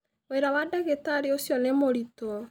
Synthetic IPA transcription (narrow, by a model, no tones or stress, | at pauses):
weɾawadaɣetaɾeosjɔnemoɾitɔ